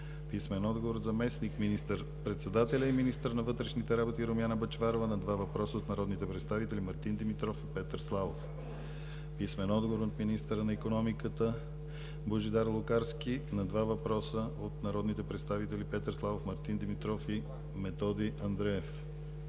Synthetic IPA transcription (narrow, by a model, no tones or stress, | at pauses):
pismɛnɔd̪ɡovoɾzɐmɛsnikminist̪əɾ | pɾɛt̪sɛd̪at̪ɛlʲəiminist̪əɾnɐvɤt̪ɾɛʃnit̪ɛɾabot̪iɾomjanəbɐt͡ʃvaɾovənɐd̪vavɐpɾɔsəot̪nɐɾɔd̪nit̪ɛpɾɛt̪st̪avit̪ɛlʲimɐɾt̪ind̪imit̪ɾɔfipɛt̪əɾslˠavof | pismɛnɔd̪ɡovoɾot̪minist̪əɾənɐikonɔmikət̪ə | boʒid̪aɾlˠokaɾsk̟inɐd̪vavɐpɾɔsəot̪nɐɾɔd̪nit̪ɛpɾɛt̪st̪avit̪ɛlipɛt̪əɾslˠavofmɐɾt̪ind̪imit̪ɾɔfi | mɛt̪ɔd̪iʔɐnd̪ɾɛɛf